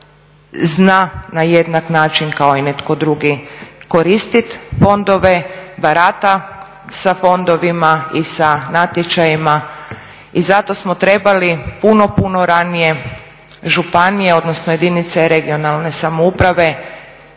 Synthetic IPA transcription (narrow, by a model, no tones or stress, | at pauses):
znanaje̞d̪naknaːt͡ʃinkao̞ine̞t̪ko̞d̪ɾuɡiko̞ɾist̪it̪fo̞nd̪o̞ʋe̞baɾat̪a | safo̞nd̪o̞ʋimaisanat̪jet͡ʃajima | izat̪o̞smot̪ɾe̞balipuno̞puno̞ɾanije̞ | ʒupanije̞o̞d̪nosnoje̞d̪init̪se̞ɾe̞ɡio̞nalˠne̞samoupɾaʋe̞